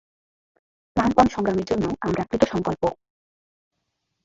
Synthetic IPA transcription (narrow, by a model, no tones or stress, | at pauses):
lanpɔnʃɔŋɡɾameɾd͡ʑonːoamɾakɾit̪oʃɔŋkolpo